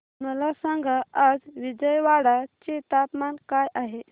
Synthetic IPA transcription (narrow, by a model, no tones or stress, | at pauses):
məlasaŋɡaad͡zʋid͡zəjʋaɽat͡ɕit̪at̪mankajaɦe